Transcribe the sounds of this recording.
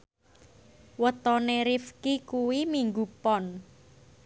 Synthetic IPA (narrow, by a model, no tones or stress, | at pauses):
wət̪ɔneɾifkikuwimiŋɡupɔn